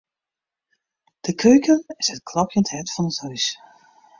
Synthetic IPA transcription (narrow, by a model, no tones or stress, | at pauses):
d̥əkʰøɥkənɪsət̚kʰlɑpjənthɛtfɔnəthœɥs